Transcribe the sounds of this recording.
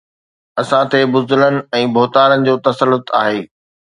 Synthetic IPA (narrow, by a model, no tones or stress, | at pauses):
ɐsãt̪ʰebʊzʊlənɪ̆ɛ̃ːbʱoːt̪aːɾənɪ̆d͡ʑoːt̪ɐsəlːʊt̪aːɦeː